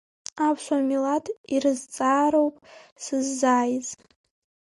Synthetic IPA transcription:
apʰʃʷamilatʰirɨzt͡sʼaːɾowpʼsɨzːaːjz

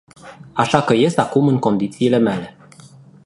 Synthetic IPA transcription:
aʃakəje̞st̪akumɨŋko̞nd̪it̪siːle̞mele̞

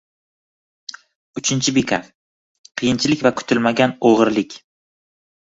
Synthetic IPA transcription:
ʊt͡ʃʰɪnt͡ʃʰɪbekʲʰa̰ | qʰɨjɪnt͡ʃʰɪlɪkʲvakʰʊ̥t̪ʰɪlmaɡʲanoʁɨɾlɪkʲ

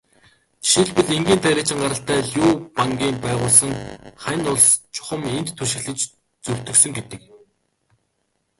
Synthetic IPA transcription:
ʃiɮpɘ̆ɮeŋɡʲiːnt̪ʰæɾʲɪːt͡ɕɪ̆ŋɢaɾə̆ɬt̪æːɮjʊːpaŋɡʲiːmpæːʁʊːɮsə̆ŋχæjnʊɮst͡ɕʰʊ̥χə̆ment̪ːʰuʃɪ̆ɣɮɘ̆nt͡ɕ | t͡sɵw̥ʲt̪ɵ̆ksɵ̆ŋɡet̪ɘ̆k̚

